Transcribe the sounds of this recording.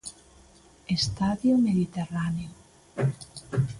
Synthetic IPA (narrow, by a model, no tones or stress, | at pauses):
est̪aðjomeðit̪eraneo